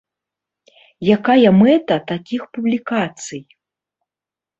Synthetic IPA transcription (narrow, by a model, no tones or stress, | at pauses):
jakajɐmɛt̪ɐt̪akʲixpublʲikat̪sɨj